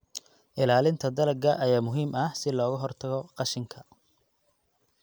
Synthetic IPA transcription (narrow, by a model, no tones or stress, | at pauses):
ʔɪlaːlɪnt̪ʰɐd̪ɐlɐɡɐʔɐjaːmʊɦiːmʔɐhsɪlɔːɣɐɦɔrt̪ʰɐɣɔqɑʃɪŋkʰɐ